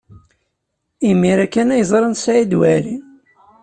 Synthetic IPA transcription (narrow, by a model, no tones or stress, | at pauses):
imːiɾækːænæjzˤɾˤənsaid̪wæɾi